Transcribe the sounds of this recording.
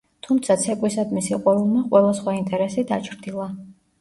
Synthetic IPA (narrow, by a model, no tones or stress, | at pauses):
t̪ʰumt̪sʰat̪sʰɛkʼwisad̪misiqʼwaɾulˠmaqʼwɛlˠasχwaint̪ʼɛɾɛsid̪at͡ʃʰɾd̪ilˠa